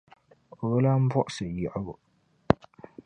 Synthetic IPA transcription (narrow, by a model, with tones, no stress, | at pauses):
ɣʊ˦la˦m̩˦bɔ˦ʔsɨ˨jɛ˨ʔɡʊ˨